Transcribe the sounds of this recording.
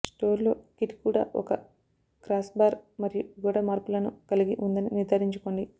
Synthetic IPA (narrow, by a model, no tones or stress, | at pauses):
sʈo̞ːɾlo̞ːkiʈi̥kuːɽa̰ːʔɔ̰kɐ | kɾaːsbaːɾmɐɾijuɡuːɽɐmaːɾpulɐnukɐliɡiʔund̪ɐniniɾd̪aːɾiɲt͡ʃuko̞ːɳɖi